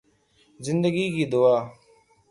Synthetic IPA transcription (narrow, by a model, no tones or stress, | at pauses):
zɪnd̪əɡiːkiːd̪oaː